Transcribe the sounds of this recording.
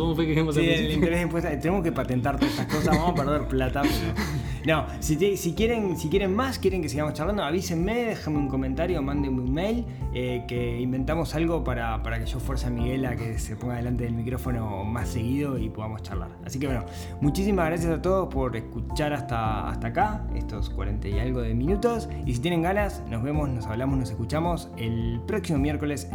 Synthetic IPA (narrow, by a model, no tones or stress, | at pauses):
komofekeemosielĩneɾesempwest̪t̪enemoskepat̪e̞nt̪aɾt̪oet̪ako̞sazβamopeɾð̞eɾplat̪apeɾo | no | sit̪esikjeɾensikjeɾe̞nmaskjeɾe̞ŋke̞s̬iɣamot͡ʃaɾrland̪oaβiseme̞ðexameũŋko̞ment̪aɾjomãnd̪emeunmejl | ekeimbe̞nt̪amo̞salɣo̞paɾapaɾake̞ʃo̞fweɾsamiɣe̞lakese̞poŋɡaðe̞lant̪eðelmikɾo̞fo̞no̞mase̞ɣiðo̞ipo̞ðamo̞st͡ʃa̰rla̰ɾa̰sik̬eβweno | mut͡ʃisimazɣɾas̬jasat̪o̞ð̞o̞spo̞ɾeskut͡ʃaɾast̪aa̰st̪akaḛst̪o̞skwa̰ɾent̪aja̰lɣoðeminut̪o̞s | isit̪je̞neŋɡanasno̞zβe̞mo̞snosaβlamosno̞sekut͡ʃamo̞s | elpɾo̞ksimo̞mjeɾko̞le̞s